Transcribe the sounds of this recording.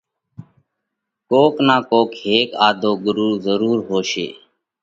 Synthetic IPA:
koːknaːkoːkheːkaːd̪ʱoːɠʊɾuːzəɾuːɾɦoːʃḛː

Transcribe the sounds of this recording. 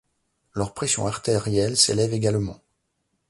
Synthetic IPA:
lœʁpχɛsjɔ̰̃aʁt̪ɛʁjɛlsḛlɛveɡalmɑ̰̃

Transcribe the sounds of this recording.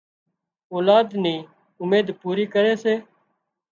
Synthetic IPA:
oːlaːd̪niː | ʊmeːd̪puːɾiːkəɾeːseː

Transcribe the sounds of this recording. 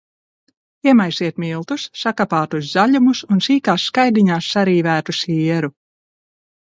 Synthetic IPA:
iɛmajsiɛt̪milˠt̪usːakapaːt̪uszaʎumusunsiːkaːsːkajd̪iɲaːsːaɾiːvæːt̪usiɛɾu

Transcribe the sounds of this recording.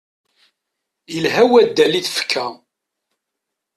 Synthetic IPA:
jəlɦæwæd̪ːæliθfə̥kʰːæ

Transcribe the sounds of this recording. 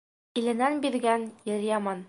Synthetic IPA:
ilɘ̆nænbiɾɡænjɘ̆ɾjɑmɑn

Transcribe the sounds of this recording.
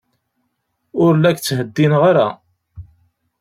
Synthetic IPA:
ʊɾlækt͡sːɦəd̪ːinʁaɾa̰

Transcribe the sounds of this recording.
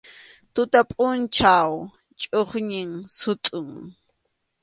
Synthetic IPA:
t̪ʊt̪apʼʊnt͡ʃaw | t͡ʃʼoχɲɪŋsʊt̪ʼʊŋ

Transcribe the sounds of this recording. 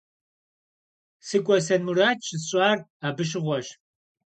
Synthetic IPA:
sɨkʷʼɔsɐnmuraːtt͡ʃʰʼɨɕʼaːraːbɨɕ̬ɪʁʷɔɕ

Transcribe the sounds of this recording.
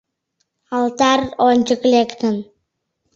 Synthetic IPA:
ɑlˠt̪ɑronʲt͡ʃə̆klʲekt̪ən

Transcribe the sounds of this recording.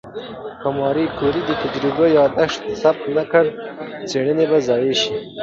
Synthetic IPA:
kamɑːɾikʰoɾid̪ət̪ad͡ʒɾɪbajɑd̪aʂt̪sab̚qnakəɽt͡seɽənebazɑjeʃi

